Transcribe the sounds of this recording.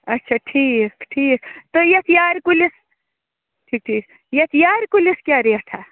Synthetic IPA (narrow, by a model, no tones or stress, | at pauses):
ɐtːʃʰaʈʰiːkʈʰiːkt̪ojɐt̪ʰjaːɾkulis | ʈʰiːk̚ʈʰiːk | jɐt̪ʰjaːɾkuliskjaːɾeɐʈ̪ʰa